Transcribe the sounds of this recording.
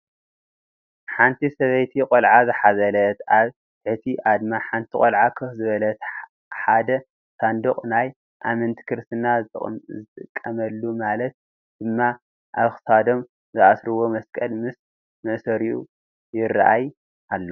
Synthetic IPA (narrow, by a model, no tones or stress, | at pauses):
ħant̪ʰisɐβɐjt̪ʰiqʼolʕazɨħazɐlɐt̪aβ | t̪ʰɨħt̪ʰiʔad̪maħant̪ʰikʼolʕakʰɨxzɨβɐlɐt̪ | ħad̪ɐ | sand̪oqʼnaj | ʔamɐnt̪ʰi̥kʰɨɾsɨnazɨt̪ʼɨkʼːɐmɐlːumalɐt̪̚ | d̪̥ɨmːa | ʔaβxɨ̥sad̪o̞m | zɨʔasɾɨwo̞mɐskʼɐlmɨs | mɨʔsɐɾiṵ | jɪra̰ʔaj | ʔalːo